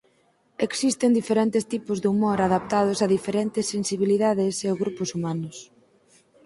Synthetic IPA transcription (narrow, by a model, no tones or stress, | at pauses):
eksist̪ɪnd̪ifeɾent̪ɪst̪ipʊzðumoɾaðap̚t̪að̞ʊsaðifeɾent̪ɪsːensiβ̞iliðaðɪseoɣɾupʊsumanʊs